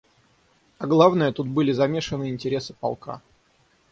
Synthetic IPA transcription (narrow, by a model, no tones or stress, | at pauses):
ɐɡlˠavnəjət̪ut̪̚bɨlʲɪzɐmʲe̞ʂɨnɨɪnʲtʲɪɾʲe̞sɨ̥pa̰lˠka̰